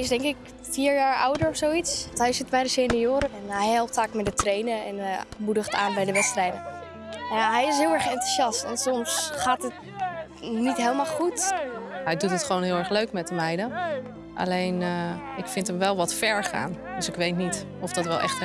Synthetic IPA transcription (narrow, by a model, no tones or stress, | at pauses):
ɪsdɛŋkɪk | fiːɹjaːɹʔʌwdəɹɔfsowitsɦɛjsɪtbɛjdəseːnəjoːɾəɛnɛjhɛlˠp̚tfaːkmɛt̚dətrejnəɛ̰nmudəχta̰ːnbɛjdəʋɛtstrɛjdə | jaɦɛjɪs̬ɦɪːlˠɛɹχɛntu̥ʃjɑstɔntsɔmsχaːtət | nitɦeːlˠmalˠχut | ɛjdutətχʋoːnɦɪːlˠɛɹχløɥkmɛtəmɛjdə | ʔa̰lejnɪkfɪntəmʋɛlˠʋɔtfɛɹχa̰ːn | døsɪkʋejtnit | ɔfdɔtʋɛlˠɛ̰χt